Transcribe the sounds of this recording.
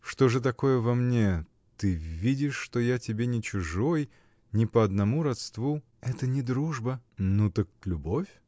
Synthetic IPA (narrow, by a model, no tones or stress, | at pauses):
ʂt̪o̞ʐɨt̪ɐko̞jəvɐmnʲe̞ | t̪ɨvʲidʲɪʂːt̪ojatʲɪbʲenʲɪt͡ɕʊʐo̞j | nʲɪpəɐd̪nɐmuɾɐt̪st̪vu | ɛt̪ənʲɪd̪ɾuʐbənut̪ək̚lʲʊbo̞fʲ